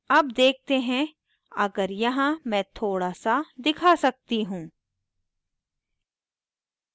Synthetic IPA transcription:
ɐbd̪eːk̚ʰt̪eɦɛ̃ | ɐɡəɾjɐɦãmɛ̃ːt̪ʰoːɽaːsad̪ɪkʰasɐk̚t̪iɦũː

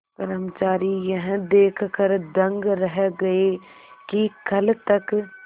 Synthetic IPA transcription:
pɐɾəmt͡ʃaːɾijɐɦd̪eːkʰkəɾd̪ɐ̃ŋɡɾɐɦɡɐe | kikɐlt̪ɐk

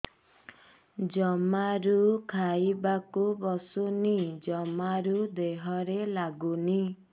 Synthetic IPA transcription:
d͡ʒɔmaɾukʰaibakubɔsunid͡ʒɔmaɾud̪eɦɔɾelaɡuni

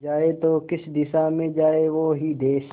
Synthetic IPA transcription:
d͡ʒaːet̪okɪsd̪ɪsamẽd͡ʒaːeʋoɦid̪eːʃ

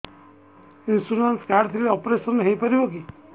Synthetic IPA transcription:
insunanskaɾɖt̪ʰileɔpɾesɔnɦejpəɾiboki

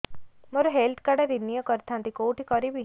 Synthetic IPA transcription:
mɔɾuɦelt̪ʰkaɽeɾinijəkɔɾt̪ʰãnt̪ikowʈikɔɾibi

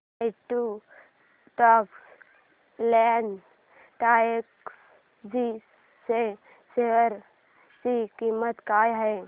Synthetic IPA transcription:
ɪʈu | ʈɔːks | lɛɳɖ | ʈaːeks | d͡ʒi | se | seʋəɾ | sikimːət̪kaːjɦɛː

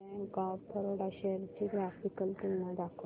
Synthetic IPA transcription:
ẽɡawt̪ʰəɾoɽaɕɛɾt͡ɕiɡɾafikəlt̪unːad̪akʰ

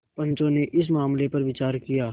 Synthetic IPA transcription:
pɐ̃nt͡ʃõneʔɪs̬maːmlepɐɾʋɪt͡ʃaːɾkijaː

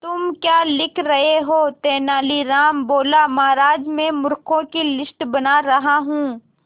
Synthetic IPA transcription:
t̪ʊmkjaːlɪkʰɾɐɦeɦoːt̪ɛːnaːliɾaːmboːlamaːɾaːd͡ʒmẽmʊɾkʰõkilɪsʈbɐnaɾɐɦaɦũː

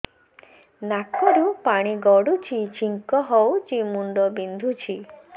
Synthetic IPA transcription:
nakɔɾupaɽ̃iɡɔɽut͡ʃʰit͡ʃiŋkɔɦɔwt͡ʃimuɳɖɔbind̪ʱut͡ʃʰi

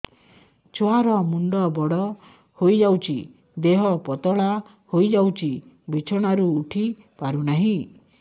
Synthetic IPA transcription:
t͡ʃʰoaɾɔmuɳɖɔbɔɽɔ | hojd͡ʒawt͡ʃʰḭ | d̪eɦɔpɔt̪ɔɭa | hojd͡ʒawt͡ʃʰi | bʱit͡ʃʰɔɽ̃aɾuːʈʰi | paɾunaɦĩ

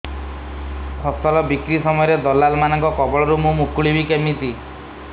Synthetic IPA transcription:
kʰɔst̪ɔlɔbikɾisɔmɔjɔɾed̪ɔlːalmanɔŋkɔkɔbɔɭɔɾumumukuɭibikemit̪i

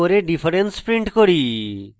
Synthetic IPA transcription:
oɾeɖipʰɐɾenspɾiɳʈkoɾi

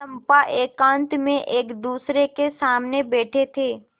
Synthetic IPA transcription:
əmpaʔeːkãːnt̪mẽʔeːkd̪uːsɾekesaːmnebɛːʈʰet̪ʰeː

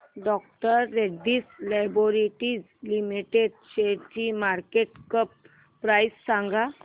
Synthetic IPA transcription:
ɖɔk̚ʈəɾːeɖiːslajboɾiʈiːd͡z | limiʈedɕeɽt͡ɕiːmaɾkeʈkəpː | ɾajsːãŋɡʱa

